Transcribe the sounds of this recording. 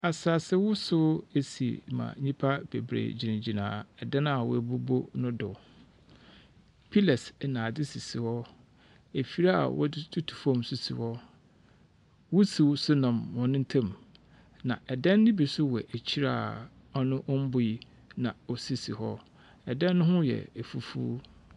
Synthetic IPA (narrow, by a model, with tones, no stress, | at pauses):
a˨sa˨sɪ˦wʊ˦sʊ˦e˨sḭ˨mã̰˨ɲĩ˦pʰa˦bḛ˨bɾḛ˨d͡ʑi˨nɪ̃˨d͡ʑi˨nã̰ː˨ɛ˨dã˦na˨wɔ̰˦æ˨bu˦bo˦nʊ̃˦dʊ˨ | pʰi˦lɛ˨snãː˨dɪ˦si˨si˨hɔ˦ | e˨fi˦ɾa˦a̰˨wɔ̰˦dɪ˦tʰu˦tʰu̥˨fɔ̃˦˨msu˦sḭ˨hɔ˦ | wu˦si˨wsʊ˦nã˨mwɔ̃˨nʊ̃˦n̩˦tʰã˦˨m | nã˨ʔɛ˨dɛ̃˦nːɪ̃˦bi˨sʊ˦wɛ˨ʔæ˨t͡ɕʰi˦ɾa̰ː˦˨ | ɔ˦nʊ̃˦ʔɔ˦m̩˦bʊ˦ji˦ | nã˨ɔ˨si˦si˨hɔ˦ | ɛ˨dɛ̃˦nːʊ̃˦ɦʊ̃˦jɛ̰˨e˨fu˦fṵː˦